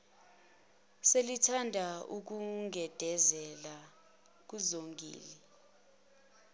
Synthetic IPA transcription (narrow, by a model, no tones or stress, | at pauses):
selitʰandʱauk̬uŋʱɛd̥ʱɛzɛla | k̬uzoŋɡḭːlɛ